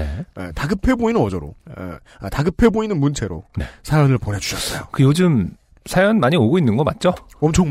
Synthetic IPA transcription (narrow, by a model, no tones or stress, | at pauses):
eḛtaɡɯpʰe̞boinɯnʌd͡ʑʌɾo̰ | taɡɯpʰe̞boinɯnmunt͡ɕʰe̞ɾo̰ne̞sʰaɾanɯɭponed͡ʑu̥ɕʰʌs͈ʌjokɯjod͡ʑɯm | sʰajʌnmaɲioɡoinːɯnɡʌk͈at̚t͡ɕ͈oʌmt͡ɕʰʌŋ